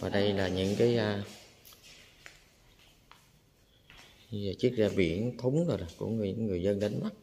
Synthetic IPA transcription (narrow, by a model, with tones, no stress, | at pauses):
vaː˨˩ɗə˧jlaː˨˩ɲɨ̰˧˥ŋkaː˨˦j | t͡ɕɨ˦˥ək̚zaː˧ɓi˧˩ənt̪ʰu˨˦ŋ͡mzo˨˩jla˨˩kṵ˧˩əŋ̰˧˩˧ŋːɨ˨˩əjzə˧nɗə˨˦nma˦˥t̚